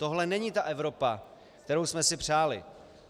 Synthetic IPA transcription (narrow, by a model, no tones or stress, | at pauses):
t̪o̞ɦlɛnɛɲiːt̪aʔɛvɾo̞pa | kt̪ɛɾowsmɛsɪpr̝̥aːlɪ̰